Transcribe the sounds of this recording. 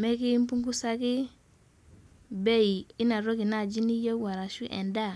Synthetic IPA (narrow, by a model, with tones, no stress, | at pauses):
me˦ki˦m˦pu˦ŋɡu˦sa˦ki˦ | be˦i˨i˦na˨ɾo˦ki˨na˦˨d͡ʒi˦ni˦je˦wa˨ɾa˨ʃu˦ʔḛ˨nda˦˨